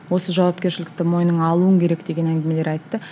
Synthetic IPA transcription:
wo̞səʒɑwɑp̚kʲe̞ʃɪlɪk̚t̪ɪmo̞jnəɴɑlˠuəŋkʲʰe̞ɾe̞kd̪e̞ɡʲe̞næŋɡʲɪme̞le̞ɾɑjt̪ːə

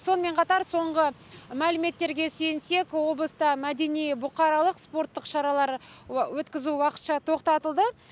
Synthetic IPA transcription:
so̞nəme̞ɴqʰɑt̪ɑɾso̞ɴʁə | mælɪme̞t̪ːe̞ɾɡʲe̞sɵjɪnse̞kʲwo̞blˠəst̪ɑmæd̪e̞nijbʊqɑɾɑlˠəqspo̞rt̪ːəqʃɑɾɑlˠɑɾwɵt̪kʲɪzuwɑqə̥t̪ʃɑt̪ʰo̞qt̪ɑt̪əlˠd̪ə

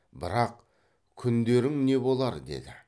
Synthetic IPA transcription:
bɪɾɑq | kʲʰʏnd̪e̞ɾɪŋne̞bo̞lˠɑɾd̪e̞̰d̪ɪ

